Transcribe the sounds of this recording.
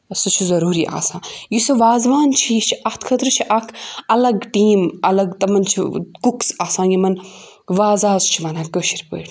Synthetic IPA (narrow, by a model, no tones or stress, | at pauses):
ɐsɐt͡ʃʰuzɐɾuːɾiʔa̰ːsãːjisɐʋaːzʋaːnt͡ʃʰijit͡ʃʰiʔɐht̪ʰkʰɐt̪ɾɨt͡ʃʰiʔakʰɐlɐɡʈiːmɐlɐɡt̪ɐmɐnt͡ʃʰḭkuksaːsãːjimɐn | ʋaːzaːzt͡ʃʰimɐnaːkəːʃiɾʲpə̰ːɽ